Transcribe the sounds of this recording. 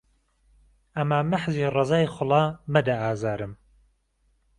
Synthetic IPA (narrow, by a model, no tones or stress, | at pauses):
ɐmaːmaħziːrˤɨzaːjxʊlˠɑːmɐd̪ɐaːzaːɾɨm